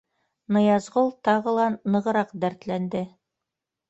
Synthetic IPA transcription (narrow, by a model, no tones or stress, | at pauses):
nɤ̆jɑzʁolˠt̪ɑʁɤ̆lˠɑnːɤ̆ʁɤ̆ɾɑqd̪æɾt̪lænd̪ɘ